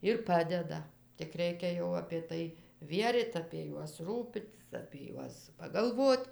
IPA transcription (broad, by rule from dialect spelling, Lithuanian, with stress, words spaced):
ɪr ˈpɑːdʲɛdɐ tʲɪk ˈrʲɛɪkʲɛ jɛʊ ɐpʲeː ˈtɐɪ ˈʋʲiɛrʲiːt ɐpʲiɛ ˈjuɔs ˈruːpʲɪtʲɪs ɐpʲiɛ ˈjuɔs pɐɡɐlˠˈʋoːt